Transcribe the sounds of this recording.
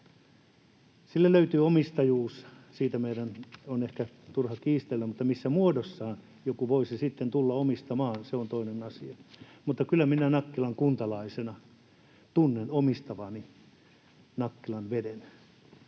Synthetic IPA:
silːelløyt̪yːomist̪ɑjuːssiːt̪æmeidænonehkæ | t̪urhɑkiːst̪elːæmut̪ːɑmisːæmuodosːɑːn | jokuʋoisisit̪ːent̪ulːɑomist̪ɑmɑːnseont̪oinenɑsiɑmut̪ːɑkylːˑæminænɑkːilɑŋkunt̪ɑlɑisenɑ | t̪unːenomist̪ɑʋɑːni | nɑkːilɑnʋeden

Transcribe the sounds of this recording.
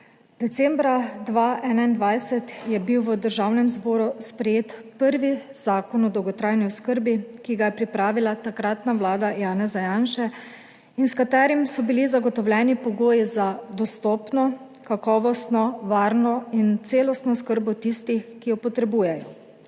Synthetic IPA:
d̪̥ɛt̪sɛːmbɾad̪ʋaʔɛːnaind̪ʋajsɛt̪jɛbiwʋəd̪əɾʒawnɛmzbɔːɾuspɾɛjeːt̪pəɾʋiz̥aːkɔnɔd̪ɔwɡɔt̪ɾajniʊskəɾbikiɡajɛpɾipɾaːʋilat̪akɾat̪naʋlaːd̪ajaːnɛzajanʃɛ | inskat̪ɛːɾimsɔbilizaɡɔt̪ɔwlʲjɛːnipɔɡoːjizad̪ɔst̪ɔːpnɔ | kakɔːʋɔst̪nɔʋaːɾnɔint̪seːlɔst̪nɔskəɾbɔt̪ist̪ixkijɔpɔt̪ɾɛbuːjɛjɔ

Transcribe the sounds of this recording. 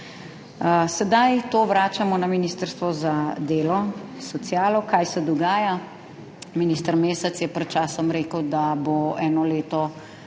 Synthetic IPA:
sɛd̪ajt̪oːʋɾaːt͡ʃamɔnaminiːst̪əɾst̪ʋɔzad̪eːlɔsɔt̪sijaːlɔkaːjsɛd̪ɔɡaːja | miniːst̪əɾmeːsɛt̪sjɛpɾɛt̪̚t͡ʃaːsɔmɾeːkəwd̪aboɛːnɔleːt̪ɔ

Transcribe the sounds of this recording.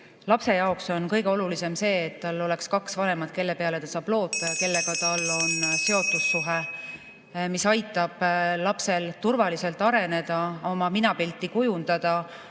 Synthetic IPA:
lɑpse̞jɑokso̞nkɤjɡe̞o̞lulise̞mse̞ːt̪ːɑlːo̞le̞kskɑksvɑne̞mɑd̪̥̚ke̞lːe̞pe̞ɑle̞t̪ɑsɑːb̥lo̞ːt̪ːˑke̞lːe̞ɡɑt̪ɑlːo̞nse̞o̞t̪ːˑusːuɦe | misɑjt̪ːˑɑb̥ːɑpse̞lt̪urvɑlise̞lt̪ːˑɑɾe̞ne̞d̪̥ɑo̞mɑminɑpilt̪ːˑikujund̪̥ɑd̪̥ɑ

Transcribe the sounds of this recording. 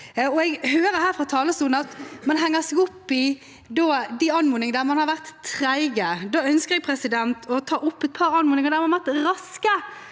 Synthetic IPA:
ɔɛɡhøːɾəhæːɾfʁɑt̪ʰɑːləst̪uːlnɑt̪mɑnɦæŋːəsɛɡʊpːɪ | d̪oːd̪iɑnmuːnɪŋəd̪æʁmɑnhɑɾʋæʁt̪ʰːɾæɪɡəd̪oːœnskəʁɛɡ̚pʰɾɛsɪd̪ɛnt̪ʰɔt̪ʰɑːʔʊpːɛt̪̚pʰɑɾɑnmuːnɪŋəd̪æmɑʋæʁt̪ɾɑskə

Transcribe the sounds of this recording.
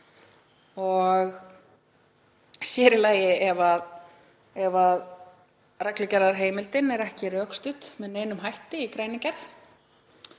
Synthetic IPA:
ɔɣ | sjɛːɾɪlaːjɪɛvað | ɛvað | rɛklʏcɛɾðaɾ̥ɦeːjmɪlt̪ɪnɛɾɛhcɪɾœːkst̪ʏt̪mɛðneːjnʏmɦajht̪ɪikɾeːjnɪcɛɾθ

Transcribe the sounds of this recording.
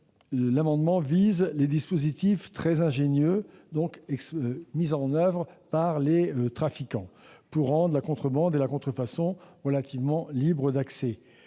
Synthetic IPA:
lamɑ̃d̪mɑ̃vizled̪ispozit̪ift̪χɛzɛ̃ʒenjød̪ɔ̃kɛksmizɑ̃nœvʁəpaʁleøt̪χafikɑ̃puʁːɑ̃d̪ʁəlakɔ̃t̪χəbɑ̃d̪elakɔ̃t̪χəfasɔ̃ʁəlat̪ivmɑ̃libʁəd̪aksɛ

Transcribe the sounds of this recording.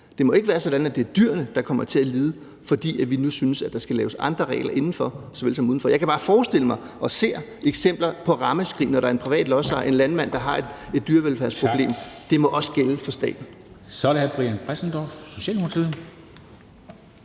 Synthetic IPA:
d̥e̝mɒ̽e̝ɡ̥əʋæːɐsɒ̽d̥ænæd̥̚e̝æɐd̥yɐ̰nəd̥ɑ̈kʰɒ̽m̰ɐt͡sʰe̝æliːð̞ˠə | fɒ̽d̥ḭːæʋinusynəsæd̥ɑ̈sɡ̥ælɛːʊsɑ̈nd̥ʁɐʁɛ̰ɪlɐʔe̝nn̩fɒ̽sɒʋe̝lsɒmuðˠn̩fɒ̽jɑ̈ɪkæb̥ɑ̈ːfɒːsd̥e̝l̰əmɑ̈ɪʔɒ̽se̝̰ːɐeɡ̥sem̰b̥lɐpʰɒ̽ʁɑ̈məsɡ̥ʁḭːnɒɾɑ̈ɐenpʰiʋɛ̰ːd̥lɒ̽sɑ̰̈ʔe̝nlænmæn̰d̥ɑ̈ɦɑ̈e̥e̝d̥̚d̥yːɐʋelfæɐspʰʁoble̝̰ːmd̥e̝mɒ̽ʔɒ̽sə̥ɡ̥eləfɒ̽sd̥ɛ̰ːd̥n̩ | sɒlehæb̥ʁiænpʰʁɛsn̩d̥ɒfso̝ɕɛ̰ːlnupʰt͡sʰiðˠ

